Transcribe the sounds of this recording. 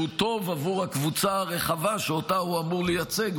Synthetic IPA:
ut̪o̞vavuʁhakvut͡saaʁe̞χavaʃeotahuamuʁlejat͡se̞ɡ

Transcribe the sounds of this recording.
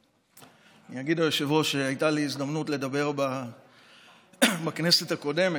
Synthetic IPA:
anijaɡid̪ajoʃevo̞ʃe̞ajtaliːzd̪amnutle̞d̪abe̞ʁba | bakne̞setako̞de̞me

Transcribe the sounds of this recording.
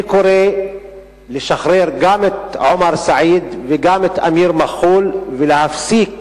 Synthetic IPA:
koɾe | leʃaxɾeɾɡamet̪ʕomaɾˤsaʕiːd̪veɡamet̪ʔa̰miːɾmaxuːlvelehafsiːk

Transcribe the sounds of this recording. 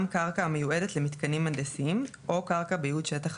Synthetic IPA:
mkaʁkamejue̞detlemit̪kanimandesiim | ʔo̞kaʁkabejudʃetaχ

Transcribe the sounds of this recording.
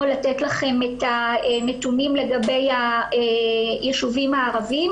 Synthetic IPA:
latetlaχe̞met̪anet̪unimle̞ɡabe̞ja | jeʃuvimaːʁavim

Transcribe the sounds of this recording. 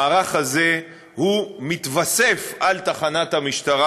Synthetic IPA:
ʁaχhaze̞ | humit̪vase̞falt̪aχanat̪hamiʃt̪aʁa

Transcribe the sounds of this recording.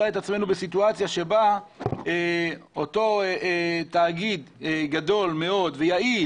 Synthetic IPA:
aet̪at͡sme̞nubesit̬uat͡sjaʃe̞baeoto̞etaːɡid̪ɡado̞lme̞o̞dvejai

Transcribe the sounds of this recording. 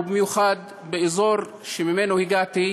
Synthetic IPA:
bimjuχad̪ | beʔezoɾ | ʃemimenohiɡat̪i

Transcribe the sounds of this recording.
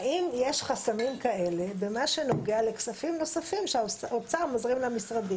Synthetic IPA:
imjeʃχasamimkaʔe̞le̞bemaʃe̞noɡealeksafimno̞safimʃeot͡saʁmozʁimlamisʁad̪im

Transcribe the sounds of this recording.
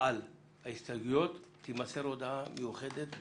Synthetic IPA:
ʔal | haist̪aɡujot̪ːimaseɾod̪amejuχed̪et̪

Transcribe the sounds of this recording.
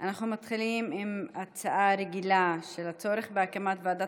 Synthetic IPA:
ʔanaχnumat̪χilimimat͡saʔaɾeɡilaʃelat͡so̞ɾeχbeakamat̪vead̪a

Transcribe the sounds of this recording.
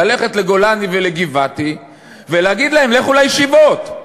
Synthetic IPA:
ale̞χe̞tleɡo̞laniveleɡivati | veleaɡid̪lahe̞mleχulajʃivot̪

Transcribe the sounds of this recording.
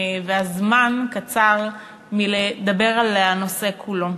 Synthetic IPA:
veazmankat͡saʁ | miled̪abe̞ʁalano̞se̞kʰulo̞

